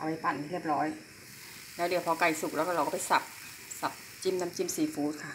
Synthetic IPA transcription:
ʔa˧wa˧jpa˨˩n˧ɾi˥˩əp̚ɾɔː˦˥j | lɛː˦˥˩di˧˩pʰɔ˧ka˨˩jsu˨˩k̚lɛː˧˦˥wkaː˧˩ɾwkɔː˧˥˩pa˨˩jsa˨˩p̚ | sa˨˩p̚ | t͡ɕi˧˩mna˦˧˥mt͡ɕi˧˩msiː˨˩fuː˦˥t̪̚kʰa˥˩

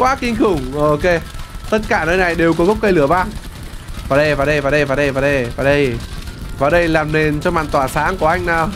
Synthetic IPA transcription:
kwaː˨˦kï˧ŋ̟xɨ˧˩ŋ͡mʔo˧ke˧t̪ə˦˥t̚kaː˧˩nəː˧jna˨˩jɗe˨˩wkɔ˨˦ɣə˦˥wk͡p̚kə˧jlɨ˧˩əɓaː˧n | vaː˨˩ɗə˧jvaː˨˩ɗə˧jvaː˨˩ɗə˧jvaː˨˩ɗə˧jvaː˨˩ɗə˧jvaː˨˩ɗə˧jvaː˨˩ɗə˧jlaː˨˩mne˨˩nt͡ɕɔ˧maː˧˨nt̪waː˧˩saː˨˦ŋku˧˩əʔa˧jŋ̟naː˨˩w

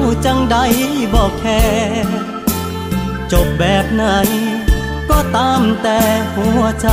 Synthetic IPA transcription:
t͡ɕa˧ŋda˧˩jbɔː˨˩kʰːɛː˧˥ | t͡ɕo˨˩p̚bɛː˨˩p̚na˧˩j | kɔː˧˩t̪aː˧˥mt̪ɛː˨˩hu˧˩˦ət͡ɕa˧

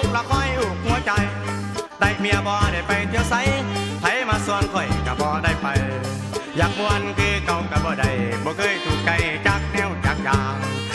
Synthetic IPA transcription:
la˧kʰɔː˧˥˨jʔuː˧˩k̚hu˧˦ɐ˦t͡ɕa˧j | da˧˩jmi˧˨ɐ˧bɔː˧da˧˩jpa˨˧jt̪ʰi˧ə˧wsa˧˦jpʰa˧˦jmaː˧su˧ənkʰɔ˧˩jka˧˩bɔː˧da˧˩jpa˨j | jaː˨˧˩k̚mɔː˧ʔa˧nkʰɯː˧ka˧˨wka˧˩bɔː˧˦da˧˩jbɔː˧˦kʰɤː˧˥˨jt̪ʰu˧˩t̪̚t͡ɕa˧jt͡ɕaː˧k̚nɛː˧˩˨wt͡ɕaː˨˩k̚jaː˨˧

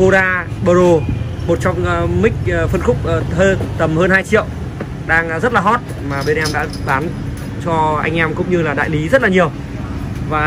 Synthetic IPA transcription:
o˧zaː˧ɓə˧zo˧mo˨˩t̚t͡ɕɔ˧wŋ͡mmï˦˥k̟̚ːfə˧nxʊ˦˥k͡p̚ːhəː˧t̪ə˨˩mhəː˧nhaː˧jt͡ɕḭ˧˨əw | ɗaː˧ŋ˩zə˦˥t̚laː˨˩ɔ˦˥t̚ | maː˨˩ɓe˧nʔɛ˧mɗa̰ː˧˥ɓaː˨˦n | t͡ɕɔ˧ʔa̰˧jŋ̟ʔɛ˧mkʊ̰˧˥ŋ͡mɲɨ˧laː˨˩ɗa̰ː˧˨jli˨˦zə˦˥t̚laː˨ɲi˨˩əw | vaː˨˩

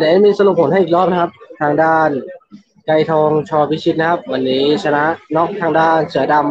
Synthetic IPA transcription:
daː˨˩˦a˥˩miː˧sa˧lu˨˩p̚ʰːo˩˦na˥˩˨ʔ̚ːlɔː˥˩p̚na˧˥kʰa˦˥p̚t̪ʰaː˧ŋdaː˥˩n | ka˧jt̪ʰɔː˧ŋt͡ɕʰɔː˧pʰi˦˥t͡ɕʰi˦˥t̪̚na˦kʰa˦˥p̚wa˧nːiː˦˥t͡ɕʰa˧na˦˥ʔnɔ˦˥˩k̚t̪ʰaː˧ŋdaː˥˩nsɯ˩˦ɐda˧m

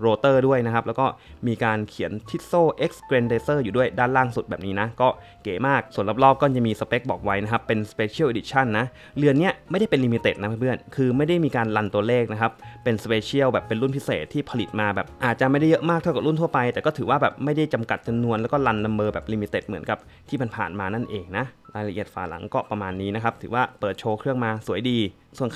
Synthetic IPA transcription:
ɾoː˧t̪ɤː˥˩du˥˩əjna˦˥kʰa˦˥p̚lɛː˦˥wkɔː˥˩miː˧kaː˧nkʰi˨˩˦ənt̪ʰi˦˥t̪̚soː˥˩ʔe˦˥k̚skɾe˧ndeː˧sɤː˥˩juː˨˩du˥˩əjdaː˥˩nlaː˥˩ŋsu˨˩t̪̚bɛː˨˩p̚niː˦˥na˦˥kɔː˥˩ | keː˩˦maː˥˩k̚su˨˩˦ənla˦˥˩p̚lɔː˥˩p̚kɔː˥˩t͡ɕa˨˩miː˧sa˧pe˦˥k̚bɔː˨˩k̚wa˦˥jna˦˥kʰa˦˥pːe˧nspeː˧t͡ɕʰi˦˥˩ʔi˧di˧˩t͡ɕʰa˥˩nːa˦˥ʔ | lɯ˧ənːi˦˥ɐm˥˩jda˥˩jpe˧li˧mi˧t̪eː˨t̪̚na˦˥pʰa˥˩pʰɯ˥˩ənkʰɯː˧ma˥˩jda˥˩jmiː˧kaː˧nla˧nt̪u˧ɐleː˥˩k̚na˦˥kʰa˦˥p̚ːe˧nspeː˧t͡ɕʰi˥˩əwbɛː˨˩pːe˧nlu˥˩npʰi˦˥seː˨˩t̪ʰːiː˥˩pʰa˧li˨˩t̪̚maː˧bɛ̰ː˨˩p̚ʔaː˨˩t̪̚t͡ɕa˨˩ʔma˥˩jda˥˩jɤ˦˥ʔmaː˥˩k̪̚ʰa˥˩wka˨˩lu˥˩nt̪ʰu˥˩ɐpa˧jt̪ɛː˨˩kɔː˥˩t̪ʰɯː˩˦waː˥˩bɛː˨˩p̚ma˥˩jda˥˩jt͡ɕa˧mka˨˩t̪̚t͡ɕa˧mnu˧ənlɛː˦˥wkɔː˥˩la˧nla˧mbɤː˧bɛ̰ː˨˩p̚liː˧miː˧t̪e˨˩t̪̚mɯ˩˦ənka˨˩p̚ | t̪ʰiː˥˩ma˧npʰa̰ː˨˩nmaː˧na˥˩nʔeː˧ŋna˦˥ʔlaː˧jla˧ʔi˨˩ət̪̚fa̰ː˨˩la̰˩˦ŋkɔː˥˩pɾa˧maː˧nːiː˦˥na˦˥kʰa˦˥p̚t̪ʰɯː˩˦waː˥˩pɤː˨˩t̪̚t͡ɕʰoː˧kʰɾɯ˥˩əŋmaː˧su˩˦əjdiː˧ | su˨˩ən

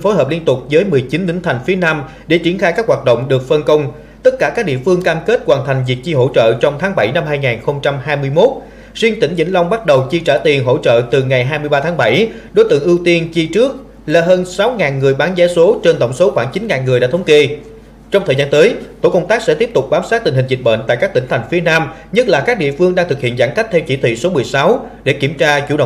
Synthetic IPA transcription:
fo˨˦jɦəː˨˩p̚li˧ənt̪ʊ˨˩k͡p̚zəː˨˦jmɨ˨˩əjt͡ɕi˨˦nḭ˧˥ŋ̟t̪ʰa˨˩jŋ̟fi˨˦ənaː˧m | ɗe˧˩t͡ɕi˧˩ənxaː˧jkaː˦˥k̚ɦwaː˨˩t̚ɗə̰˧˨wŋ͡mɗɨ˨˩ək̚fə˧nkə˧wŋ͡m | t̪ə˦˥t̚kaː˧˩kaː˦˥k̚ɗḭ˧˨əfɨ˧əŋkaː˧mke˦˥t̚kwaː˨˩nt̪ʰa˨˩ŋ̟zi˨˩ək̚t͡ɕi˧ɦo̰˧˥t͡ɕə̰ː˧˨t͡ɕɔ˧wŋ͡mt̪ʰaː˨˦ŋɓa˧˩jna˧mhaː˧jŋaː˨˩nxə˧wŋ͡mt͡ɕa˧mɦaː˧jmɨ˧əjmo˦˥t̚ | zwi˧ənt̪ï˧˩ŋ̟zḭ˧˥ŋla˧wŋ͡mɓa˦˥t̚ɗə˨˩wt͡ɕi˧t͡ɕaː˧˩t̪i˨˩ənɦo̰˧˥t͡ɕə̰ː˧˨t̪ɨ˨˩ŋa˨˩jɦaː˧jmɨ˧əjɓaː˧t̪ʰaː˨˦ŋɓa˧˩jɗo˨˦jt̪ɨ̰˧˨əŋʔi˧wt̪i˧ənt͡ɕi˧t͡ɕɨ˦˥ək̚ | laː˨˧˩ɦəː˧nsa˨˦wŋaː˨˩nŋɨ˨˩əjɓaː˨˦nzɛ˨˦so˨˦t͡ɕe˧nt̪ə̰˧˩wŋ͡mso˨˦xwaː˧˩ŋt͡ɕi˨˦nŋaː˨˩nŋɨ˨˩əjɗaː˧˥t̪ʰə˨˦wŋ͡mke˧ | t͡ɕɔ˧ŋ͡mt̪ʰəː˨˩jzaː˧nt̪əː˨˦jt̪o̰˧˩kə˧wŋ͡mt̪aː˦˥k̚sɛ̰˧˥t̪i˦˥əp̚t̪ʊ˨˩k͡p̚ɓaː˨˦wsaː˦˥t̚t̪ï˨˩ŋhï˨˩ŋ̟zi˨˩t̚ɓə̰˧˨nt̪a̰ː˧˨jkaː˦˥kt̪ï˧˩ŋ̟t̪ʰa˨˩jŋ̟fi˨˦ənaː˧mɲə˦˥t̚laː˨˩kaː˦˥k̚ɗḭ˧˨əfɨ˧əŋɗaː˧ŋt̪ʰɨ˨˩k̚hḭ˧˨ənzaː˧˩nka˦˥k̚t̪ʰɛ˧wt͡ɕi˧˩t̪ʰwḭ˧˨so˨˦mɨ˨˩əjsa˨˦wɗe˧˩ki˧˩əmt͡ɕaː˧t͡ɕṵ˧˩ɗə̰˧˨

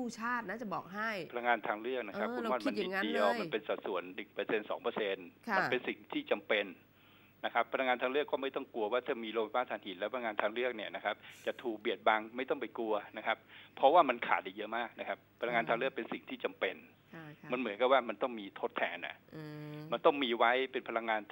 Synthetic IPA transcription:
uː˥˩t͡ɕʰaː˥˩p̚naː˥˩t͡ɕa˨˩bɔː˨˩k̚ɦa˥˩jʰa˧la˧ŋaː˧nt̪ʰaː˧ŋɾɯ˥˩ək̚na˦˥kʰa˦˥kʰːu˧˦˧aː˥˩ma˧n˨i˨˩˧di˧əwma˧npe˧nsa˨˩t̪̚su˩˦ənːɯ˨˩ŋpɤ˧se˧nsɔ̰ː˩˦ŋpə˧se˧nma˧npe˧nsi˨˩ŋt̪ʰiː˥˩t͡ɕa˧mpe˧nː | a˦˥kʰa˦˥pʰːa˧la˧ŋaː˧nt̪ʰaː˧ŋɾɯ˥˩əkːɔː˥˩ma˥˩jt̪ɔ˥˩ŋklu˧ɐwaː˥˩t̪ʰɯ˥˩miː˧loː˧wa˧˩paː˥˩t̪ʰaː˧˩nhi˩˦nlɛ˦˥pʰa˧a˧ŋaː˧t̪ʰaː˧ŋɾɯ˥˩ək̚ni˥˩ɐna˦˥kʰa˦˥p̚t͡ɕa˨˩t̪ʰuː˨˩k̚bi˨˩ət̪̚ba˧ŋma˥˩jt̪ɔ˥˩ŋp̬a˧jku˧ɐna˦˥kʰa˦˥p̚pʰːɾɔ˦˥waː˥˩ma˧nkʰa̰ː˩˦t̪̚a˨˩jɤ˦˥maː˥˩k̚na˦˥kʰa˦˥p̚ʰːa˧la˧ŋaː˧nt̪ʰaː˧lɾɯ˥˩ək̚pe˧nsi˨˩ŋt̪ʰiː˥˩t͡ɕa˧mpe˧n | ma˧nmɯ˨˩˦ənka˨˩waː˥˩ma˧nt̪ɔ˥˩ŋmiː˧t̪ʰo˦˥t̪ʰːɛ̰ː˧nʔa̰˨˩ʔma˧nt̪ɔ˥˩ŋmiː˧wa˦˥jpe˧npʰa˧la˧ŋːaː˧n

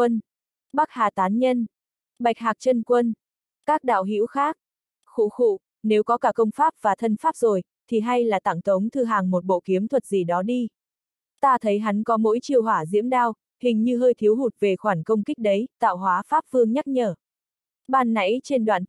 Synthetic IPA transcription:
ə˧n | ɓa˦˥k̚haː˨˩t̪aː˨˦nɲə˧n | ɓa˨˩jk̟̚ɦaː˨˩k̚t͡ɕə˧nkwə˧n | kaː˦˥k̚ɗa̰ː˧˨wɦḭ˧˥wxaː˦˥k̚ | xṵ˧˥˨xṵ˧˨ | ne˨˦wkɔ˨˦kaː˧˩kə˧wŋ͡mfaː˦˥p̚v̥aː˨˩t̪ʰə˧nfaː˦˥p̚zo˨˩j | t̪ʰi˨˩ɦa˧jlaː˨˩t̪a˧˩ŋt̪ə˨˦wŋ͡mt̪ʰɨ˧˩ɦaː˨˩ŋmo˨˩t̚ɓo̰˧˨ki˨˦əmt̪ʰwə˨˩t̚zi˨˩ɗɔ˨˦ɗi˧ | t̪aː˧t̪ʰə˨˦jɦa˨˦ŋkɔ˨˦mo̰˧˥jt͡ɕi˧˨əwɦwaː˧˩zḭ˧˥əmɗaː˧w | hï˨˩ŋ̟ɲɨ˧ɦəː˧jt̪ʰi˨˦əwɦu˨˩t̚ve˨˩xwaː˧˩ŋkə˧wŋ͡mkï˦˥k̚ɗə˨˦jt̪a̰ː˧˨wɦwaː˨˦faː˦˥p̚fɨ˧əŋɲa˦˥t̚ɲəː˧˩ | ɓaː˧˩nːa̰˧˥jt͡ɕe˧nɗwa̰ː˧˨n

